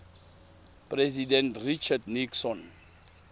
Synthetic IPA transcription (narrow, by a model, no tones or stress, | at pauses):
prɛzidɛ̃ntrit͡ʃadniksɔ̃n